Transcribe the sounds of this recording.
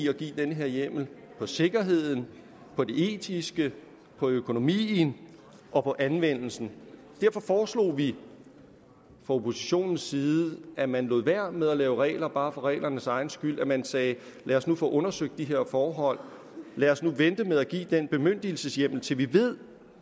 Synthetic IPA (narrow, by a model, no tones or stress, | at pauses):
iɒɡ̥ḭːd̥enəɦe̝ɐjem̰l̩ | pʰɒ̽se̝ɡ̥ɐɦe̝ð̞̰ˠn̩ | pʰɒ̽de̝ʔe̝̰ːdʰisɡ̥ə | pʰɒ̽økʰo̝no̝mḭːn̩ | ʔɒ̽pʰɒ̽ʔænʋen̰l̩sn̩ | d̥æɐfɒ̽fɒːslo̝̰ːʋi | fʁɑ̈o̝pʰo̝siɕo̝̰ːnn̩sːiːð̩ˠæmænlo̝ːð̩ˠʋæɐ̰með̞ˠælɛːʊəʁɛ̰ːɪlɐb̥ɑ̈ːfɑ̈ʁɛ̰ːlʔɐnəsɑ̈ɪn̩sɡ̥yl̰æmænsɛː | lɛːɐsnufɔ̰ːʔɔ̽nɐsøɡ̥̚d̥iɦe̝ɐ̰fɒːɦɒ̽l̰ | lɛːɐsnuʋend̥əmeðˠæɡ̥ḭːd̥enb̥e̝møn̰d̥il̩səsjem̰l̩t͡sʰe̝lʋiʋe̝ð̞̰ˠ